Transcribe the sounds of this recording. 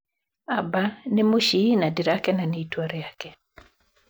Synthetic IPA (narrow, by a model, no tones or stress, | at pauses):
abanɪmʊʃinadiɾakɛnanɪitwaɾɛjakɛ